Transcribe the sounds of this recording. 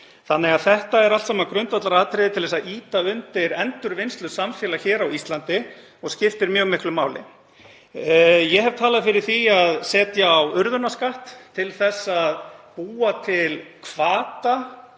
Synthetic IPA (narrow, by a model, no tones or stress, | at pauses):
θanːɛɣaðθɛht̪aɛɾalt̪saːmakɾʏnt̪vat̪laɾaːðt̪ʰɾɪðɪt̪ʰɪlðɛsaðiːt̪aʏnt̪ɪɾɛnt̪ʏɾvɪnst̪lʏsamfjɛːlaçɛːɾawist̪lant̪ɪ | ɔɣscɪft̪ɪɾmjœːɣmɪhklʏmaːwlɪ̰ | jɛɦɛv̥t̪ʰaːlaðfɪɾɪɾ̥θiaðsɛːt̪jaːwʏɾðʏnaskaht̪ʰːɪlθɛsːaðpuːat̪ʰɪlkʰvaːt̪a